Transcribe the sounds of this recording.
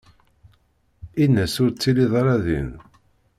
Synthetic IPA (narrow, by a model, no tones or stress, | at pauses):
inːæsʊɾt͡sːiliðˤaɾˤɑðḭn